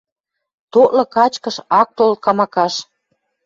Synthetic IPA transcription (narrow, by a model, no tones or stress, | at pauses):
t̪oʔlɤ̆kɑt͡ɕkəʃɑk̚t̪olt̪̚kɑmɑkɑʃ